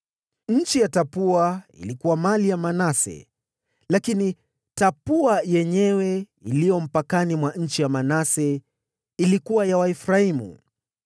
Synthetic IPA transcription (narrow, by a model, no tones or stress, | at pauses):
ɲ̩t͡ʃijatapuaḭlikuwamalijamanasɛ̰ | lakini | tapuajɛɲɛwɛ | ilijɔm̩pakanimwaɲ̩t͡ʃijamanasɛ | ilikuwajawaifɾaimṵ